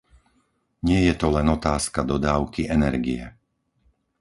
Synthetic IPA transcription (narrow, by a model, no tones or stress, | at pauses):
ɲɪɛjɛt̪ɔlɛnɔt̪aːskad̪ɔd̪aːʊkiʔɛnɛɾɡḭɛ̰